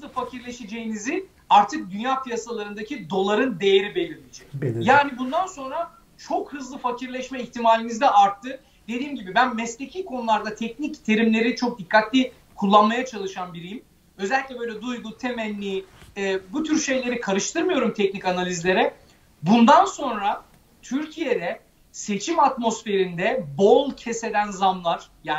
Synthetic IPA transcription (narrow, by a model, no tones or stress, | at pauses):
ɯzlˠɯfacʰiɾlʲe̞ʃed͡ʒejinizɪ | aɾt̪ʰɯk̚d̪ynjaːpʰijasalˠaɾɯnd̪acʰid̪o̞lˠaɾɯnd̪e̞je̞ɾibe̞lʲiɾmʲid͡ʒɛcjaːnibund̪anso̞nɾa | t͡ʃʰo̞khɯzlˠɯfacʰiɾlʲɛʃmɛiçt̪ʰimaːlʲinizd̪ɛʔaɾt̪ʰːɯ | d̪̥e̞d̪iːmɟibibænmɛslʲecʰikʰo̞nulˠaɾd̪at̪ʰɛcnict̪ʰe̞ɾimlʲe̞ɾit͡ʃʰo̞k̚d̪ikʰːat̪lʲi | kʰulˠːanmajat͡ʃʰalˠɯʃanbiɾejim | ø̞zɛlʲiclʲɛbøjlʲɛd̪ujɡut̪ʰemɛnʲːiɛːbut̪ʰyɾʃe̞jlʲe̞ɾikʰaɾɯʃt̪ʰɯɾmɯjo̞ɾumt̪ʰɛc̚nicanalʲizlʲe̞ɾɛ | bund̪anso̞nɾa | t̪ʰyɾcʰije̞d̪ɛ | se̞t͡ʃʰimat̪mo̞sfe̞ɾind̪ɛbolˠcʰese̞d̪ænzamlˠaɾ̥jaː